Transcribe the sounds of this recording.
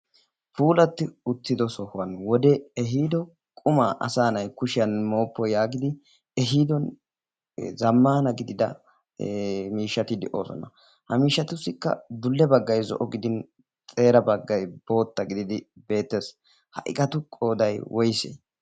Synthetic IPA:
puːlɐt̪ːɪʊt̪ːɪd̪ɔsɔhʊɐnwɔd̪ɛɛɦiːd̪ɔ | kʼʊmaːʔɐ̰saːnɐjkʊʃɪjɐnmo̞ːpːɔjaːɡɪd̪ɪ | ɛɦiːd̪ɔn | zɐmːaːnɐɡɪd̪ɪd̪ɐ | miːʃːɐt̪ɪd̪ɛʔo̞̰ːsɔ̰nɐ̰ | hɐmiːʃːɐt̪ʊsːɪkːɐ̰d̪ʊlːɛbɐɡːɐjzɔ̰ʔɔɡɪd̪ɪn | t͡sʼe̞ːɾɐbɐɡːɐjb̥o̞ːt̪ːɐɡɪd̪ɪd̪ɪbe̞ːt̪ːeːs | hɐ̰ʔɪ̰kʼɐt̪ʊkʼo̞ːd̪ɐjwʔɔjsḛː

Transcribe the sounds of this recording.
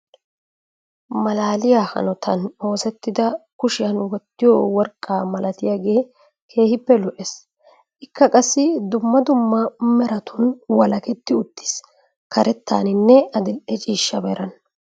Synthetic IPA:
mɐlaːlɪjaːhɐ̰nɔt̪ʰɐno̞ːsɛt̪ːɪd̪ɐkʊʃɪjɐnwɔt̪ːɪjowɔɾkʼːaːmɐlɐt̪ɪjaːɡe̞ː | kʰe̞ːhɪpːɛlɔʔes | ʔɪkːɐkʼɐsːɪd̪ʊmːɐd̪ʊmːɐmɛɾɐt̪ʰʊnwɐlɐkɛt̪ːɪʊt̪ːɪ̥s | kɐɾɛt̪ːa̰ːnɪnːɛɐd̪ɪlʔɛt͡ʃʼiːʃːɐbɐɾɐn

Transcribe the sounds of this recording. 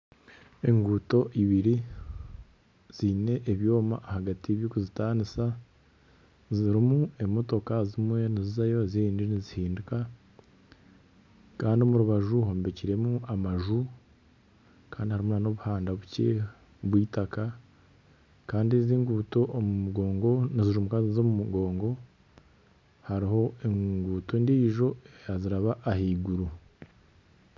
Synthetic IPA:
e̞ŋɡuːto̞ʔiβiɾi | z̥ine̞ʔːβjo̞ːma̰ʔːhaɡatieβjoːkuzitaːnisa | ziɾimue̞mo̞to̞kazimwe̞nizizajo̞ziiːndinizihiːnduka | kaːndio̞muɾuβaʒuho̞ːmbe̞ciɾe̞muamaʒu | kaːndihaɾimunano̞βuhaːndaβuce̞ | βwiːtaka | kaːndieziːŋɡuːto̞ʔːmumuɡo̞ːŋɡo̞niziʒumukaziizomumuɡo̞ːŋɡo̞ | haɾiho̞eŋŋɡuːto̞ndiːʒo̞eejaziɾaβaʔahiːɡuɾu

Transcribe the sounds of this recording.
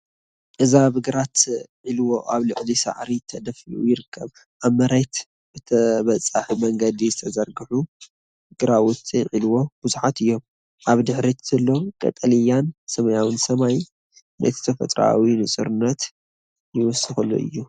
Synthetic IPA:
ʔɨzaβɨɡɨɾat̪ʕilwoʔaβlɨʕlisa̰ʕɾit̪ʰɐd̪ɐfiṵjɪɾɨkʰːɐβ | ʔaβmɐɾet̪ | bɨt̪ʰɐβɐt͡sʼaħumɐŋɡɐd̪izɨt̪ʰɐzɐɾɡɨħu | ɡ̥ɨɾawʊt͡sʼiʕilwo̞b̥ɨzuħat̪ɨjːo̞m | ʔaβd̪ɨħɾit̪ʰz̥ɐlːo̞kʼɐ̰t̪ʼɐlijansɐmɐjawɨnsɐmaj | nɐ̰zɨ̥t̪ʰɐfɐ̰t̪ʼɾa̰winɨsʼɨɾɨnːɐt̪ | jɪwɔsɨxɐlːo̰ʔɨ̰jːu

